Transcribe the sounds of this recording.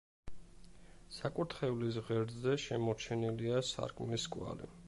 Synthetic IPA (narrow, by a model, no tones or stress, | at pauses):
sakʼut̪ʰχɛulis̬ʁɛɾzɛʃɛmɔɾt͡ʃʰɛniliasa̰ɾkʰʼmliskʼwa̰lḭ